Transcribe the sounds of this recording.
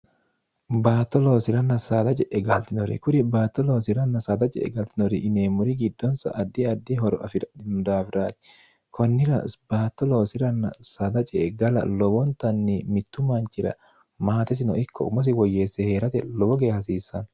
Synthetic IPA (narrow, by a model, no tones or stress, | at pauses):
baːt̪ːɔlo̞ːsɪɾɐnɐsad̪ɐt͡ʃʼɛʔɛɡɐlt̪ɪnɔɾɪ̰kʊɾɪbaːt̪ːɔloːsɪɾɐnːɐsad̪ɐt͡ʃʼɛ̰ɛ̰ɡɐlt̪ɪnɔɾɪʔɪneːmːʊɾɪɡɪd̪ːɔnsɐ̰ʔɐd̪ːɪɐd̪ːiɦɔɾɔfd̪aːfɪɾaːt̪ɪ̥ | kʰɔnːɪɾɐbaːt̪ːɔloːsɪɾɐnːɐ̰sɐd̪ɐt͡ʃʼɛɡɐlɐ̰lɔbɔnt̪ɐnːimɪt̪ːʊmant͡ʃɪɾɐ̰ | maːt̪ɛs̬ɪnɔʔɪkʰːɔ̰ʊmɔs̬ɪwɔjːeːsːɛheːɾɐt̪ɛlɔbɔɡeːhɐs̬iːsːɐn